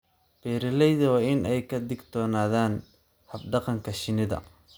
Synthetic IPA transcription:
b̥ɛːɾɪlɛjðɐwɑːɪnɛjkʰɐd̪ɪɡd̪̥ɔːnaːðaːn | hɐb̚ɖɑqɑŋkʰɐʃɪnɪðɐ̰

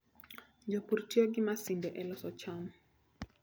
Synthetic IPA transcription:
ɲd͡ʒɔpuɾtiɔɡimasindɛʔɛlɔsɔt͡ʃam

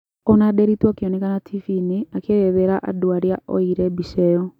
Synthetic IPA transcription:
onadeɾitwakeɔnɛkanatʰifiniakeβeðɛɾaʔa̰duaɾjaɔ̰iɾɛbisɛɔ

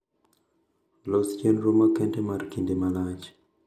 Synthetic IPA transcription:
lɔsd͡ʒanɾomakɛntɛmaɾkindemalad͡ʒ

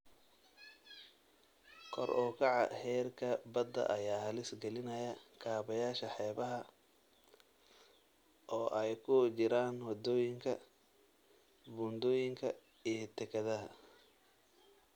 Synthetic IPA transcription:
kʰɔ̰rʔɔːkʰɑʕɑ̰hɛːrkʰɐbɐd̪ːɐ̰ʔɐjaːhɐlɪsɡɛlɪnɐjɐkʰaːβɐjaːʃɐħɛːβɐɦɐ | ʔɔːʔɛjkʰʊt͡ʃɪɾaːnhɔd̪ɔːjɪŋkʰɐ | buːnd̪ɔːjɪŋkʰɐ | ijɞt̪ʰɛkʰɐðɐɦɐ̰

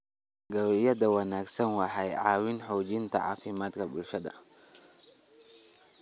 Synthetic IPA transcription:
ɡɐwɛjɐd̪ɐwɐnaːɡsɐnwɑħajʕa̰ːwɪnħɔːd͡ʒɪnt̪ɐ̰ʕa̰ːfɪmaːt̪kɐbʊlʃɐd̪ɐ̰

